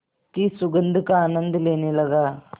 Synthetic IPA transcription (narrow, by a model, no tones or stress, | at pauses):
kiːsuɡənd̪ʱukaːnənd̪lenelaɡa